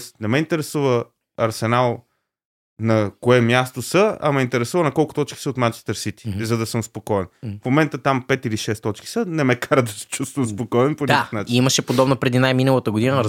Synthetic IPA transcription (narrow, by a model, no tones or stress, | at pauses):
snɛmɛint̪ɛɾɛsuvə | ɐɾsɛnalˠ | nɐkoɛmjast̪osəɐ̰mɛint̪ɛɾɛsuvənɐkɔlˠkʊ̥t̪ɔt͡ʃki̥səot̪mat͡ʃɛ̥st̪ɐɾsit̪i̥zɐd̪ɐsəmspokɔɛnfmomɛnt̪ət̪ampɛt̪iliʃɛst̪ɔt͡ʃki̥sənɛmɛkaɾəd̪ɐsɛ̥t͡ʃust̪vəmspokɔɛnponʲakaəxnaiiməʃɛpod̪ɔbnopɾɛd̪inajminəlˠət̪əɡod̪in